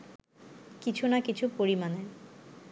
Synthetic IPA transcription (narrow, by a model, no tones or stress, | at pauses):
kit͡ɕʰunakit͡ɕʰupoɾimane